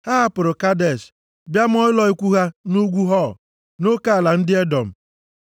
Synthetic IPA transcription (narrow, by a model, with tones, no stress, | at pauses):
ha˦ɦa˦pʊ˨ɾʊ˨ka˦de˨s | bja˦m˦ɔ˦ɪ˦lɔ˨i˦kʷu˦ɦa˦nu˦ɡʷu˦ɦɔ˦˨ | no˦ka˦a˨la˨n̩˦dɪ˦e˦dɔ˨m̩˨